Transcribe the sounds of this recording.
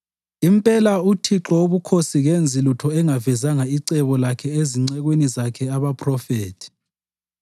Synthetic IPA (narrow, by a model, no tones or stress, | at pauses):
impʼɛlautʰiǁɔoβukʰosiɣend͡zʱilutʰɔɛŋavɛzaŋaiǀɛβɔlakʰɛeziŋ͡ǀɛɣwenizakʰɛaβapʰʼrɔfeːtʰi̥